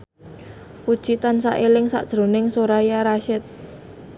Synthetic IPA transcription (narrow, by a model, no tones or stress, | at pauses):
pud̥ʒ̥it̪ansa̰ʔelɪŋsa̰ʔd̥ʒ̥ɾo̤nɪŋsoɾajaɾaʃɪt̪̚